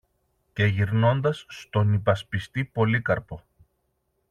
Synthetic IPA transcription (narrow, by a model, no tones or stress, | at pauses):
ce̞ʝiɾno̞nd̪ɐsːt̪o̞nipɐspist̪ipo̞likɐɾpo̞